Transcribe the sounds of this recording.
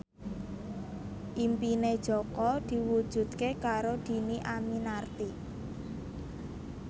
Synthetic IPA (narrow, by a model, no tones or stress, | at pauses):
ʔimpined̥ʒ̥ɔ̤kɔd̪̥i̤wud̥ʒ̥ṳd̪̥̚kekaɾod̪̥i̤niʔaminart̪i